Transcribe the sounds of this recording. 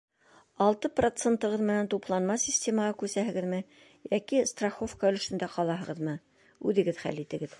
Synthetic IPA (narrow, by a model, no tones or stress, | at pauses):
ɑlˠt̪ɤprot̪sent̪ɤ̆ʁɤðmɘ̆nænt̪uplˠɑnmɑsʲisʲtʲe̞mɑʁɑkʉsæɦɘ̆ɡɘðmɘ | jækist̪raχofkaɵ̆lɵ̆ʃɘ̆nd̪æqɑlˠɑɦɤ̆ʁɤðmɤ | ʉðɘ̆ɡɘðχæ̰lit̪ɘ̆ɡɘð